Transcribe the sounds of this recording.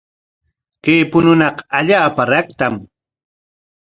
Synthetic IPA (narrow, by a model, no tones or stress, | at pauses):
keːpʊnʊnɑqaʎaːpaɾɑkt̪am